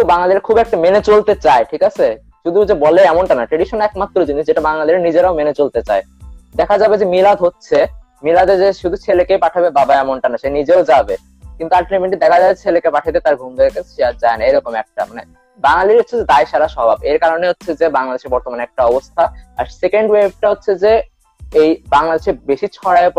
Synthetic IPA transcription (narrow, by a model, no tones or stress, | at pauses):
baŋlad̪iɾkʰubɛk̚ʈamenet͡ɕolt̪et͡ɕaeʈʰikat͡ɕʰe | ʃud̪ʱud͡ʑebɔleɛmoɳʈanaʈɾeɖiʃonɛkmat̪ːɾod͡ʑiniʃd͡ʑeʈabaŋlad̪iɾnid͡ʑeɾaomenet͡ɕolt̪et͡ɕae | d̪ɛkʰad͡ʑabed͡ʑemilad̪ʱɦotːɕʰe | milad̪ed͡ʑeʃud̪ʱut͡ɕʰelekejpaʈʰabebabaɛmoɳʈanaʃenid͡ʑeod͡ʑabe | kint̪uaʈlimeɳʈid̪ɛkʰad͡ʑaet͡ɕʰelekepaʈʰat̪̬et̪aɾɡʱumd̪ekesiad͡ʑaenaejɾɔkomɛk̚ʈa̰mane | baŋlaliɾɦotːʰed͡ʑed̪aeʃaɾaʃɔbʱabeɾkaɾoneɦotːɕʰed͡ʑebaŋlad̪eʃeɾbɔɾt̪omaneɛk̚ʈaɔbost̪ʰaaɾsekeɳɖweb̚ʈaɦotːɕʰed͡ʑe | ejbaŋlad̪eʃeɾbeʃit͡ɕʰɔɾaep